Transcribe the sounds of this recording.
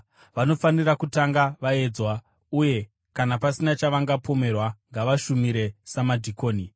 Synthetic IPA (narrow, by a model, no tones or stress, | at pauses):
ʋano̞fanirakutaŋɡaʋae̞d͡zwa | uje̞ | kanapasinat͡ʃaʋaŋɡapo̞me̞rwaŋɡaʋaʃumiɾe̞samadʱikoːni